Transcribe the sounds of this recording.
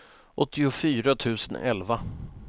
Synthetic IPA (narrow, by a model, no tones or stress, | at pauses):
ʔɔt̪ʰːɪʊfyːɾat̪ʰʉ̟ːsənɛ̰lva